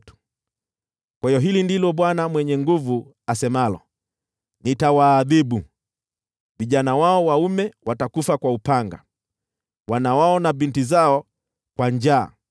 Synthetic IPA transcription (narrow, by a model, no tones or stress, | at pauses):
tu̥ | kwaiɔɦilindilɔɓwanamwɛɲɛŋɡuvu | asɛmalɔ̰ | nitawaːðiɓu | viʄanawaɔwaumɛwatakufakwaupaŋɡa̰ | wanawaɔnavintizaɔ | kwaɲd͡ʒa̰ː